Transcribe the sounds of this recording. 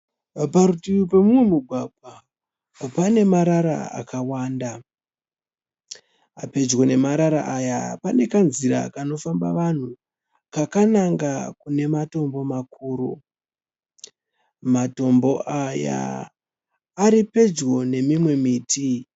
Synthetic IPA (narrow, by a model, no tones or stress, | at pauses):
paɾutiupe̞mumwe̞muɡʱwaɡʱwa | pane̞maɾaɾa̰a̰kawaːnda | ape̞d͡ʒwo̞ne̞maɾaɾa̰ʔajapane̞kanziɾa̰kano̞famba̰ʋan̤u | kakanaŋɡakune̞mato̞mbo̞makuːɾo | mato̞mbo̞ʔaja̰ | ɾipe̞d͡ʒɣo̞ne̞mimwe̞miːti